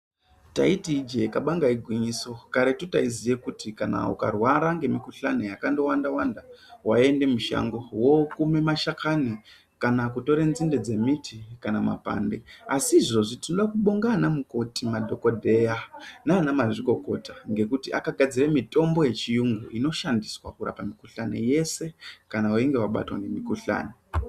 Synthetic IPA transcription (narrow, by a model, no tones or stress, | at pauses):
ta̰itid͡ʒe̞kaɓaŋɡaiɡʱwiɲiso̞kaɾetutaizijekutikana̰ṵka̰rwaɾaŋɡe̞mikuɬanejakando̞wandawandawae̞nde̞muʃa̰ŋɡo̞wo̞kume̞maʃakʰani | kanakuto̞ɾenzinde̞d͡ze̞mitʰikanama̰pa̰nde̞asiːʐo̞ʐitinoɗakuɓoŋɡanamuko̞timadʱo̞ko̞dʱejanaːnamaʐiko̞ko̞taŋɡe̞kutiʔa̰kaɡʱad͡ziremito̞mbo̞je̞t͡ʃijuŋɡuʔino̞ʃandiswa̰kura̰pamikuɬanḛje̞se̞kanawaiŋɡewaɓa̰twa̰ŋɡemikuɬa̰ːne